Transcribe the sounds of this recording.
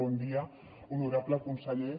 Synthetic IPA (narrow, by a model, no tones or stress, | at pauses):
ɔnd̪ia | unuɾapleakunsaʎe